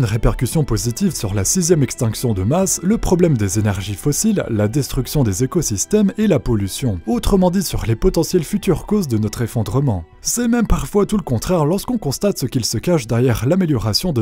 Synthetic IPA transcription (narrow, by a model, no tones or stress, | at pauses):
ynʁepɛʁkʲysjɔ̃pozit̪ivsyʁlasizjɛmɛkst̪ɛ̃ksjɔ̃d̪əmasləpχɔblɛmd̪ezenɛʁʒifɔsilːad̪ɛst̪χyksjɔ̃d̪ezekɔsist̪ɛmelapɔlysjɔ̃ot̪χəmɑ̃d̪isyʁlepɔt̪ɑ̃sjɛlfyt̪yʁkozd̪ənɔt̪χefɔ̃d̪ʁəmɑ̃ | sɛmɛmpaʁfwat̪uləkɔ̃t̪χɛʁlɔʁskɔ̃kɔ̃st̪at̪səkʲilsəkaʃd̪ɛʁjɛʁlameljɔʁasjɔ̃d̪ə